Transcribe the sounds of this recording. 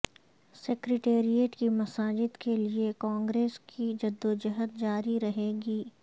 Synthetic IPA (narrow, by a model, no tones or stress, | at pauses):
seːkɾeʈeːɾijeːʈkimɐsaːd͡ʒɪd̪keliekãːŋɡɾeːskid͡ʒɐd̪ːod͡ʒɐɦət̪̚d͡ʒaːɾiɾɐɦeːɡiː